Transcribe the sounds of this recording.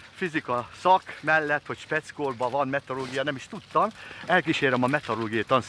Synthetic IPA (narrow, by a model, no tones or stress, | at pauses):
fizikɒsɒkmɛlːɛt̪ːho̞cʃpɛt̪skoːrbɒvɒnmɛt̪oɾoːɡijɒnɛmiʃt̪ut̪ːɒmɛlkiʃeːɾɛmɒmɛt̪oɾoːɡijɒt̪ɒns